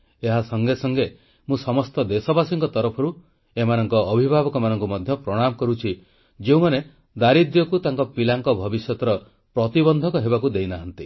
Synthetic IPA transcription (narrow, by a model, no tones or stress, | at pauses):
eɦasɔŋɡesɔŋɡe | mũsɔmɔst̪ɔd̪esɔbasiŋkɔt̪ɔɾɔpʰɔɾu | emanɔŋkɔːbʱibʱabɔkɔmanɔŋkumɔd̪ʱjɔpɾɔɽ̃amɔkɔɾut͡ʃʰi | d͡ʒeũmane | d̪aɾid̪jɔkut̪aŋkɔpilaŋkɔbʱɔbisjɔt̪ɔɾɔ | pɾɔt̪ibɔnd̪ʱɔkɔɦebakud̪ejnaɦant̪i